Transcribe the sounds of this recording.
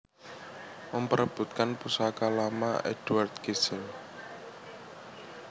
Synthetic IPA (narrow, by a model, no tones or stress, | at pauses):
məmpəɾəb̥ṳt̪̚kanpusakalamaed̥wart̪̚kesən